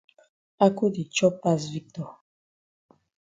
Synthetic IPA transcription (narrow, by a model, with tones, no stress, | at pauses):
a˦ku˦di˨t͡ʃɔ˦pa˦s̬vi˦k̚tɔ˨